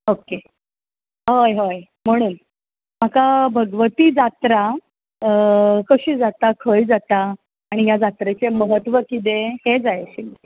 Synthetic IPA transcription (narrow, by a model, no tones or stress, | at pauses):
oke | ɦəjɦəj | m̤əɽ̃uːn | m̤akabʱəɡʋət̪iːd͡zat̪ɾa | kəɕiːd͡zat̪akʰəjd͡zat̪aː | ɽ̃ijad͡zat̪ɾet͡seməɦət̪ːʋəkit̪̬ehed͡zajɕin